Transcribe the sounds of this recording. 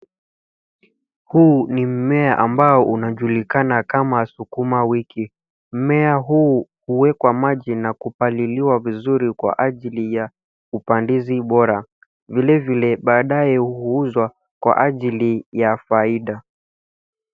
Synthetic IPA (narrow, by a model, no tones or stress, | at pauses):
hunim̩mɛaʔambaɔʔunaʄulikanakamaːsukumawiki | m̩mɛaɦuːhuwɛkwamaʄinakupaliliwavizuɾikwa̰ʔaʄilija | upandiziɓɔɾa | vilɛvilɛɓaːɗajɛhuuzwa | kwa̰ʔaʄilijafaiɗa